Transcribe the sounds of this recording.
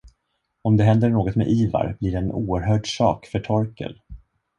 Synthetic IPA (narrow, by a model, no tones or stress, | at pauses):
ɔmd̪ɛɦɛnd̪əɳoːɡɔt̪mɛ̰ʔiːva̰ɾbliɖɛːnuːəɾɦœːɖsɑ̰ːkfœʈʰɔɾkə̰l